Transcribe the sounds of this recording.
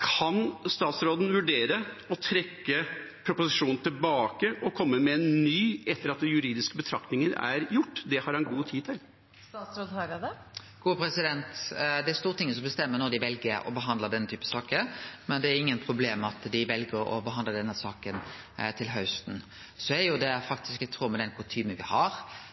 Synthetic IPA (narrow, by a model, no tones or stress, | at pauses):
kʰɑnst̪ɑːt̪sɾoːd̪n̩ʋʉɖeːɾəɔt̪ʰɾɛkːəpʰɾʊpʊsɪʂuːnn̩t̪ʰɪlbɑːkəʔɔkʰɔmːəmɛɛnːyːɛt̪ːəɾɑt̪̚d̪ɛjʉɾiːd̪ɪskəbət̪ʰɾɑkt̪nɪŋənæ̰ɾjʊʈːd̪ɛhɑɾhɑnɡuːt̪ʰiːt̪ʰɪl | st̪ɑːt̪sɾoːd̪hɑɾd̪ə | ɡ̥uːəpʰɾɛsɪd̪ɛnt̪d̪ɛæɾst̪uːʁət̪ɪŋːəs̬ɔmbəst̪ɛmːənɔd̪ɪʋɛlɡəɾɔ̰bəɦɑnd̪ləd̪ɛnːət̪ʰyːpəsɑːkəmɛnd̪ɛæɾɪŋːənpʰɾʊbleːmɑt̪d̪ɪʋɛlɡəɾɔ̰bəɦɑnd̪ləd̪ɛnːəsɑːkənt̪ʰɪlɦœʉst̪n̩ | sɔɛɾjʊd̪ɛfɑk̚t̪ɪskət̪ʰɾuːmɛd̪ɛnkʰʊt̪ʰyːmənʋɪhɑɾ